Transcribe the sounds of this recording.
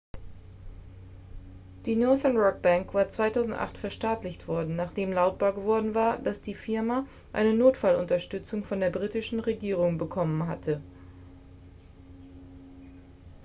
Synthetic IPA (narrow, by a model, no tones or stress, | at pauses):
d̥iːnɔɐðɛɐnʁɔk̚b̥aŋkv̥aːɐt͡sv̥aɪtʰaʊzn̩tʔa̰χtfɛɐʃtaːtlɪçtv̥ɔɐdn̩naːχd̥eːmlaʊt̚b̥aːɐɡəvɔɐdn̩vaːɐd̥asd̥iːfɪɐma | ʔa̰ɪnənoːtfalʊntɐʃtʏt͡sʊŋfɔndeːɐbʁiːtɪʃn̩ʁeɡiːʁ̞ʊŋbəkʰɔmənɦa̰tʰə